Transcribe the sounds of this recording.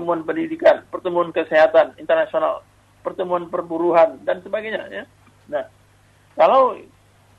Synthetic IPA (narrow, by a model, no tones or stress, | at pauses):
əmuanpəndidikanpərt̪əmuankəseɦat̪anḭnt̪ərnasiona̰l | pərt̪əmuanpərbuɾuɦandansəbaɡajɲa̰ja | nah | kalaw